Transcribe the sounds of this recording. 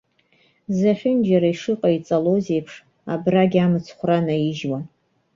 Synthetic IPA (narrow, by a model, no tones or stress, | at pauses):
zaχʲʊnd͡ʒaɾaiʂɨqʼait͡sʼaloze̞jpʰʂ | a̰braɡʲamɨt͡sʰχʷranajiʒwa